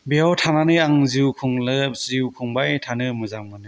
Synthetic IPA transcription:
beawtʰananɯaŋziwkʰuŋlɯziwkʰuŋbajtʰanɯmɯzaŋmɯnɯ

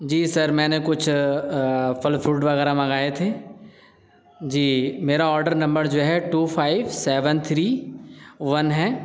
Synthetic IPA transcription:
d͡ʑiːsɐɾmɛ̃ːnekʊt͡ʃʰ | fʊlfɾuːʈʋɐɣɛːɾamɐ̃ŋɡaːet̪ʰeː | d͡ʒiːmeːɾaɔːɾɖəɾnɐ̃mbəɾd͡ʒoːɦɛʈuːfʰaːɪʋseːʋənt̪ʰɾiː | ʋɐnɦɛː

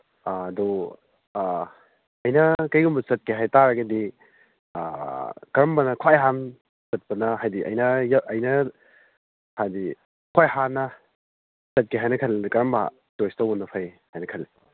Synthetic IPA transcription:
du | ɐjnɐkɐjɡumbɐsɐt̚keɦajtaɾɐɡɐdi | kɐɾɐmbɐnɐkʰajɦan | sɐt̚pɐnɐɦajdiʔɐ̰jnɐjʔɐjnɐ | hajdi | kʰwajhanɐ | sɐt̚keɦajnɐkʰɐlkɐɾɐmba̰ | tojstɐwɔnːɐpʰɐjhajnɐkʰɐlːi

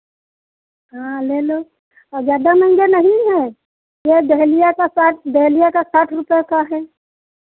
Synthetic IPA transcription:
ɦãːleloː | ɔd͡ʒjaːd̪amɐ̃ɪ̃nɡanɐɦĩɦɛː | jed̪ɛɦlijakasaʈd̪ɛɦlijakasaːʈʰɾʊpekaɦɛː

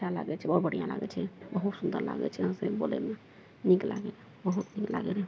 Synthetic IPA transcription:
ala̰ɡɛt͡ʃʰɛɔɾbəɽ̤ijãla̰ɡɛ̰t͡ʃʰɛbəɦut̪sund̪əɾla̰ɡɛ̰t͡ʃʰɛɦəmsebolɛ̰me | nikla̰ɡɛl | bəɦut̪nikla̰ɡɛle

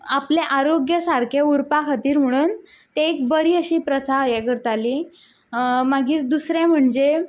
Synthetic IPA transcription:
apleʔaɾoɡjəsaɾkʰeuɾpakʰat̪iːɾm̤əɽ̃uːn | t̪eːk̚bəɾiːəɕiːpɾət͡saəjekəɾt̪aliː | maɡiːɾd̪usɾẽm̤əɳd͡ʑe

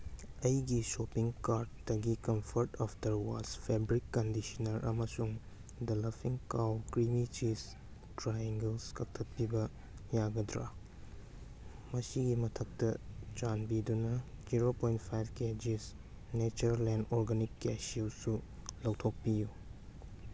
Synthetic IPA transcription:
ɐjɡisopiŋkaɾddɐɡikɐmpʰɐɾtaptɐɾwaspʰebɾikːɐndisɐnɐɾʔɐ̰mɐsuŋ | dɐlɐpʰiŋkawkɾimit͡ʃis | tɾajeŋɡelskɐk̚tʰɐt̚pibɐ | jaɡɐdɾa̰ | mɐsiɡimɐtʰɐk̚tɐt͡ʃanbidunɐd͡ʒiɾopojnt̚pʰajbked͡ʒis | net͡ʃɐɾlendoɾɡanikːesiwsulɐwtʰok̚piju

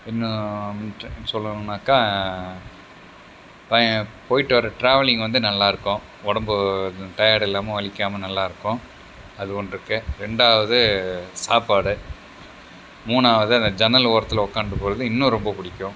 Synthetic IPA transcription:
ɪnːɐ̃ɪʈnːsɔlːɐnaːkaː | pɐpoːjɪʈːɯʋɐɾɐʈɾaːʋɐlɪŋɡʋɐnd̪ɯnɐlːaːɪɾɯkːʊ̃ | ɔɽɐmbɯt̪ɐjaːɽɛlːaːmɐʋɐɭɪkːaːmɐnɐlːaːɪɾɯkːʊ̃ | ɐðɯɔɳɖɯɾɯkːɯɾɛɳɖaːʋɐðɯsaːpaːɽɯ | muːnaːʋɐðɯɐnd̪ɐd͡ʒɐnɐloːɾɐt̪ːɪlɐɔkːaːɳɖɯpoːɾɐðɯɪnːʊ̃ɾɔmbɐpʊɽɪkːʊ̃

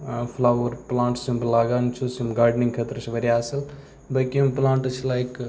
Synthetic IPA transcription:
pʰlaʋɐɾplãːɳʈsimbəlaːɡant͡ʃʰusimɡaːɾɖniŋɡkʰət̪ɾsʰiʋɐɾiaːsɐl | bəkiɐmplãːɳʈt͡ʃʰilajk

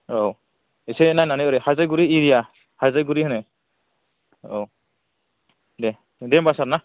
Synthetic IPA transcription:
ow | isɛnajnanɛɔɾɛhazajɡuɾiːɾija | hazajɡuɾihanɛ | o | dɛ | dɛmbasaɾna

